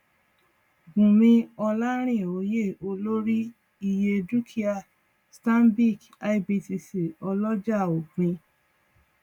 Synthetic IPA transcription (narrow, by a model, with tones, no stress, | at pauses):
ɡũ˨mĩ˧ɔ˧la˦ɾ̃ĩ˦˨o˨˦je˦˨o˧lo˦ɾi˦ | i˦˧je˧du˦kʰi˦a˧˨ | stã˦nbi˦˨k | a˧i˦bi˧ti˧si˨ɔ˧lɔ˦d͡ʒa˦˨o˨k͡pĩ˧